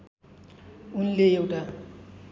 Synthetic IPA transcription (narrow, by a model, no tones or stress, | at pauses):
unleewʈa